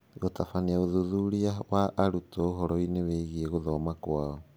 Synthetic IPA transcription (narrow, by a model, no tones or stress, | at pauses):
ɣotafaniaoðuðuɾiawaʔaɾutɔɦɔɾɔineweɣiɛɣoðɔmakwaaɔ